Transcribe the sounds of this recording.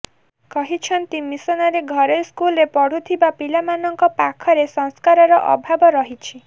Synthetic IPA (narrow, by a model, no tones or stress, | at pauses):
kɔɦit͡ʃʰɔnt̪imisɔnɔɾeɡʱɔɾɔskulɾepɔɽ̤ut̪ʰibapilamanɔŋkɔpakʰɔɾesɔ̃ŋskaɾɔɾɔʔɔ̰bʱabɔɾɔɦit͡ʃʰi